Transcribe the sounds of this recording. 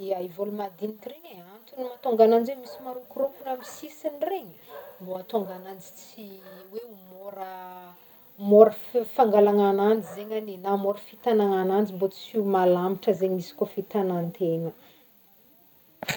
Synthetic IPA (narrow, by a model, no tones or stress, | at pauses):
eaivolumad̪inik̪ireɲeant̪unimat̪oŋɡanand͡ʒwemisimaɾukurokunamisisinreɲə̥mboat̪oŋɡanand͡zi̥t͡siweumoɾə | moɾəffaŋɡalaŋanand͡ʒizeɲaninamoɾəfit̪anaŋanand͡ʒimbot͡simalamiʈ͡ʂəzeɲmisi̥kofit̪anant̪eŋə